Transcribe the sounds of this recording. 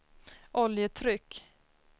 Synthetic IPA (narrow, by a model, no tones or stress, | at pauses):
ʔɔljət̪ʰɾʏkː